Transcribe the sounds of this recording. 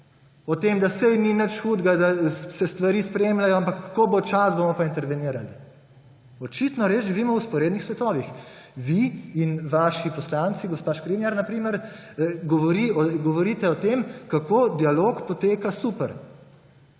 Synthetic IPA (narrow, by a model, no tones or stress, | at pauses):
ɔt̪eːmd̪asɛjninət͡ʃxuːd̪ɡad̪asɛst̪ʋaɾiːspɾeːmlajɔampakːḁkobot͡ʃasbomɔpaint̪ɛɾʋɛniːɾali | ɔt͡ʃit̪nɔɾeːzʒiʋiːmɔwspɔɾeːd̪nixsʋɛt̪ɔːʋix | ʋiinʋaːʃipɔslant̪siɡɔspaʃkɾinjaɾnapɾiːməɾ | ɡɔʋɔɾiɔɡɔʋɔɾiːt̪ɛɔt̪emkakoːd̪ialoːkpɔt̪eːkasuːpəɾ